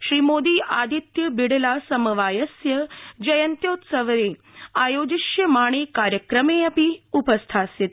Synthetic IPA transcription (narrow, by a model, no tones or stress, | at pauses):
ʃɾiːmoːd̪iːʔaːd̪ʱit̪jɐbiɽelasɐmɐʋaːjɐsjɐd͡ʒɐjɐnt̪joːt̪sɐʋɾe | ajoːd͡ʒiʃjɐmaːɽ̃ekaːɾjəkɾəmeɐpiupəst̪ʰasit̪̚